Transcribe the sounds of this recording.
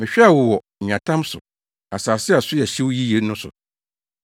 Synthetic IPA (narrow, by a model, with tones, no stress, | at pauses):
mɪ̃˨ɕᶣɛ˦a˨wɔ˨wɔ˨ɲᶣ˨ã˨tʰã˦msʊ̰˨ | a˨saː˨sɪ˦a˨sʊ˦jɛ˨ɕi˦wji˦je˨˦nʊ̃˦sʊ̰˨